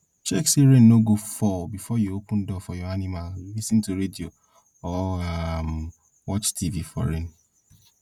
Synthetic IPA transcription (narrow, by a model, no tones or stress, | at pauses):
t͡ʃɛksiɾẽnnoɡofɔbifɔjuopũndɔfɔjɔanĩmallisĩntuɾedio | ɔam | wɔt͡ʃtʰivifɔ̰ɹẽn